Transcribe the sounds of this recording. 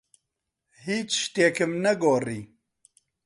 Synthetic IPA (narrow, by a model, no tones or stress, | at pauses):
hiːt͡ʃʃt̪eːkɨmnɛɡoːriː